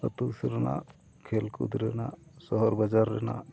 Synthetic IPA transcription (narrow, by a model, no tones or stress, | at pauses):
ət̪usɾɛna̰ | kʰelkṵd̪ɾɛnasɔɦɔɾbad͡ʒaɾːɛ̰na̰